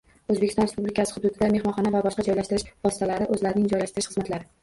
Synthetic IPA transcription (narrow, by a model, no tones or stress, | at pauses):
ɵzbekʲʰɪst̪ɒnɾespublikʲʰasɪ̥hʊd̪ud̪ɪd̪ame̞hmɒnχɒnavabɒʃqɑd͡ʒɒjlaʃt̪ɪɾɪʃvɒsɪ̥t̪ʰalaɾɪʔɵzlaɾɪnɪŋd͡ʒɒjlaʃt̪ɪɾɪʃχɨzmat̪laɾɪ